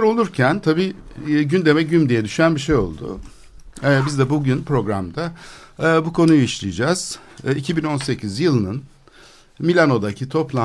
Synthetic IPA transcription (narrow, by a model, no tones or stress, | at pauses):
ɾo̞lˠuɾcʰænt̪ʰabiːɟynd̪e̞mɛɟymd̪ijɛd̪yʃynænbiʃe̞jo̞̰lˠd̪ʊ̰ | ɛbizd̪ɛbuɟynpɾo̞ɡɾa̰md̪aː | bukʰo̞nujuiʃlʲˠijd͡ʒaz̥icʰibino̞nse̞cʰizjɯlˠɯnɯn | milʲano̞d̪acʰit̪ʰo̞plˠa